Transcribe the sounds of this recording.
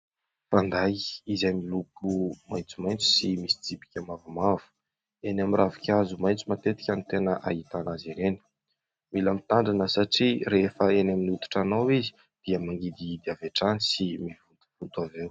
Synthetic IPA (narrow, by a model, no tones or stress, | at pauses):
fand̪ajizajmilukumajnt͡sumajnt͡su̥simisi̥d͡zibi̥kʲamavumavu̥ | enamirʔavakʲazumajnt͡sumat̪et̪i̥kʲanit̪enəʔa̰ɦit̪anaziɾeni̥ | milamit̪aɳɖ͡ʐanəsaʈ͡ʂiɾefəenaminut̪u̥ʈ͡ʂanawizi̥ | d̪̥iəmaŋɡid̪iid̪iaveʈ͡ʂanisimivunt̪u̥v̥unt̪avew